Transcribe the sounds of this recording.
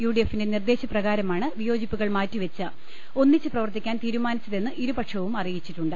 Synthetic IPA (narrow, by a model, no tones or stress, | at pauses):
juːɖijefindenird̪e̞ːɕɐprɐɣaːɾɐmaːɳɨʋijo̞ːd͡ʑipːuɣɐɭmaːtːiʋɐt͡ɕːɨ | o̞nːit͡ɕːɨprɐʋɐrt̪ikʲːaːnt̪iːɾumaːnit͡ɕːɐðe̞nːɨʔiɾubɐʈʂɐʋumɐrijit͡ɕːiʈːuɳɖɨ